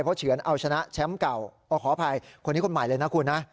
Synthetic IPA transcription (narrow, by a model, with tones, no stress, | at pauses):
jpʰɔ˦˥t͡ɕʰɯ˨˩˦ənʔa˧wt͡ɕʰa˧na˦˥t͡ɕʰɛ˦˥mka˨˩wʔɔː˧˩kʰɔː˨˩˦pʰa˧jkʰo˧nːiː˦˥kʰo˧nmaː˨˩˦jlɤː˧jna˦˥kʰu˧nːa˦˥ʔ